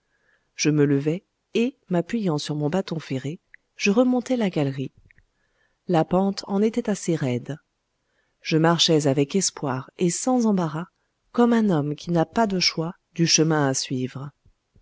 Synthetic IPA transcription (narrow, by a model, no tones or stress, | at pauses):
ʒ̥əmələvɛ | e | mapɥijɑ̃syʁmɔ̃bat̪ɔ̃feʁe | ʒ̥əʁəmɔ̃t̪ɛlaɡalʁi | lapɑ̃t̪ʰɑ̃net̪ɛt̪aseʁɛd̪ | ʒ̥əmaʁʃɛzavɛkɛspwaʁesɑ̃zɑ̃baʁa | kɔmɛ̃nɔmkʲʰinapad̪əʃwa | d̪yʃəmɛ̃asɥivʁə